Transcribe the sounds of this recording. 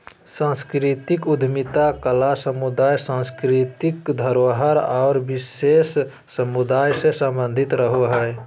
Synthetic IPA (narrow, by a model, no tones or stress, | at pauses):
sãnskɾit̪ikʊd̪ʱmit̪akəlasəmud̪aːjsãnskɾit̪ikd̪ʱəɾoɦəɾaːɾbisesː | əmud̪aːjsesəmbə̃nd̪ʱɪt̪ɾəɦoɦɛ